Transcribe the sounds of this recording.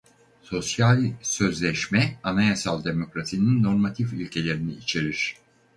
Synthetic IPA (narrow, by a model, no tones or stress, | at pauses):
so̞sjalʲsø̞zlʲɛʃmɛanajasalˠd̪e̞mo̞kɾasininːo̞ɾmat̪ʰifylʲcʰe̞lʲe̞ɾiniːt͡ʃʰe̞ɾiɾ̥